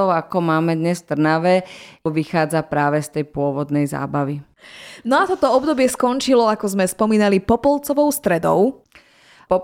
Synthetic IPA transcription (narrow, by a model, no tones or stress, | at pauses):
ɔʊakɔmaːmɛd̪ɲɛsft̪r̩naʋɛʋixaːd͡zapɾaːʋɛst̪ɛjpʊɔʋɔd̪nɛjza̰ːbaʋi | nɔat̪ɔt̪ɔɔbd̪ɔbɪɛskɔnt͡ʃilɔakɔzmɛspɔmiːnalipɔpɔlˠt͡sɔʋɔʊst̪ɾɛd̪ɔ̰ʊ | pɔ